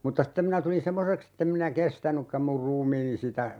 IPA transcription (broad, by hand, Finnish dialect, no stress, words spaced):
mutːɑ stem minæ tulin semːoseks etːem minæ kestænykːæm mur ruːmiːni sitæ